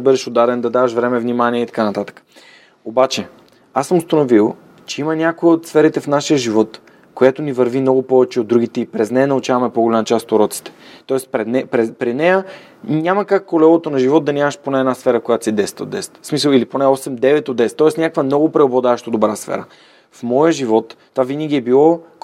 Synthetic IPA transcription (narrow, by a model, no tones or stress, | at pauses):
bəd̪ɛʃod̪ad̪ɛnd̪ɐd̪avɐʃvɾɛmɛvnʲimaniɛit̪ɐ̥kanɐt̪at̪ə̥kə̥ | obat͡ʃɛ | asəmʊst̪ɐnovilˠ | t͡ʃɛimənʲakoiot̪sfɛɾit̪ɛfnaʃijəʒivɔt̪ | kojat̪onivɐɾvimnɔɡʊpɔvɛt͡ʃɛod̪ːɾuɡ̟it̪ɛipɾɛznɛnɐut͡ʃavɐmɛpoɡolʲamɐt͡ʃast̪oɾɔt̪si̥t̪ɛ̥t̪ɔɛspɾɛd̪nɛpɾɛpɾinɛjə | nʲaməkakkːolɛlˠot̪onɐʒivɔt̪̚d̪ɐnʲaməʃponɛɛnasfɛɾəkojat̪o̥sid̪ɛst̪əo̰d̪ɛst̪smisəlˠiliponɛɔsɛmd̪ɛvɛt̪od̪ɛst̪ːɔɛsnʲakəkvəmnɔɡopɾɛoblˠɐd̪aʃt̪od̪obɾasfɛ̰ɾə̰ | fmɔjəʒivɔt̪ːvavinəɡ̟ʲiɛbilˠɔ